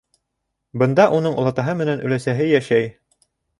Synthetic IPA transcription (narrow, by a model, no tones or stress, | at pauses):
bɤ̆nd̪ɑʔunɤɴŭlˠɑt̪ɑɦɤmɘ̆nænʔɵ̆læsæɦɘjæʃæj